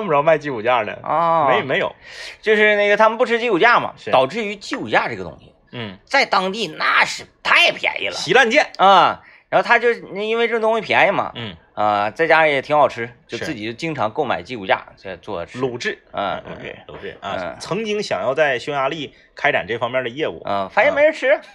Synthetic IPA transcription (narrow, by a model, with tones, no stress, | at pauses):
p̩˧˥ɑ˥˧ma˥˧ɪt͡ɕi˥˩u˨˩t͡ɕja˥˩nə̰˩ɔ˥˧e˧˥jme˧˥ɪjo˨˩˦t͡ɕjo˥˧ʊʂɻ̩˥˧ne˥˩ɡə˩t̪ʰa˥mə˨npu˥˩ʈ͡ʂʰɻ̩˥t͡ɕi˥˧˩u˨˩t͡ɕja˥˩mɐ̰˩˧ɑ˨˩ʊʈ͡ʂɻ̩˥˩y˧˥t͡ɕi˥˩u˨˩t͡ɕja˥˧ʈ͡ʂɤ˥˩ɡə˩t̪ʊ̰˥ŋɕḭ˨˩˥t͡sa˥˩ɪt̪ɑ˥ŋt̪i˥˩na˥˩ʂɻ̩˨˩t̪ʰa˥jɛ˨˩pʰja̰˧˥ɪlə̰˨ɕi˧˥la˥˧nt͡ɕjɛ˥˩nə˥˧ | ɻɻa˧˥xo˧ʊt̪ʰa˥t͡ɕjo˥˧ʊ˩˥˩i˥nwe˥˧ɪʈ͡ʂɤ˥˩˧t̪ʊ˥ŋ˥ɕi˧pʰjɛ˧˥ɪmɐ̰˩˥˩ | ə˥˧t͡sa˥˩ɪt͡ɕja˥˧˩jɛ˨˩t̪ʰi˧˥ŋɑ˨˩ʊʈ͡ʂʰɻ̩˥t͡ɕjo˥˧ʊt͡sɹ̩˥˩t͡ɕi˨˩t͡ɕjo˥˩ʊt͡ɕi˥ŋʈ͡ʂʰɑ˧˥ŋko˥˩ʊma̰˨˩ɪt͡ɕi˥˧u˥˩t͡ɕja̰˥˩˥t͡swɔ̰˥˩d̪ə˩˥lu˨˩ʈ͡ʂɻ̩˥˩ə̰˧˩˧ṵ˨˩˥t͡sʰɤ˧˥ŋt͡ɕi˥ŋɕjɑ̰˨˩ŋjɑ˥˧ʊt͡sa˥˩ɪɕɔ˥ja˧˥li˥˩ | kʰa˥ɪʈ͡ʂa̰˨˩nʈ͡ʂɤ˥˩fɑ˥ŋmjɛ˥˧˥d̪ə˧jɛ˥˧ṵ˥˩ə̰˥˧fa˧˩njme˥ɪɻo˥ʈ͡ʂʰɻ̩˥˩